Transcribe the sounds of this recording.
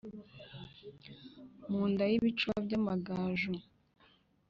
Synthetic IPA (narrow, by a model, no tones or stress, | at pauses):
muːndajiβit͡ʃwabɟamaɡaːʒu